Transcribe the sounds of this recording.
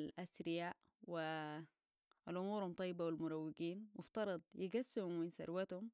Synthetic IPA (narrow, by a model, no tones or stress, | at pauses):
lʔasɾɪjaːʔ | wɪ | ʔalʔʊmuːɾhumt̪ˤɑjːɪbawɪlmʊɾˤɑwːɪɡiːnmʊft̪ɑɾˤɑd̪ˤjɪɡasːhʊmːɪnsɑ̰ɾˤwat̪hʊm